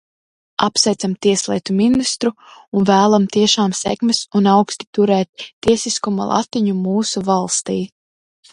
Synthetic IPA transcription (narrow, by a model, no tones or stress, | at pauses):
apsɛjt̪samt̪iɛslˠḭɛːt̪uminist̪ɾuunvæːlˠamt̪iɛʃaːmsɛ̰kmɛsunawkst̪i̥t̪uɾɛːt̪ːiɛsiskuma̰lˠa̰t̪iɲumuːsuvalˠst̪iː